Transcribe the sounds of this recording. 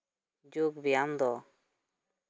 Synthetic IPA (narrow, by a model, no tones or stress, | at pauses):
d͡ʒuɡbijamd̪ɔ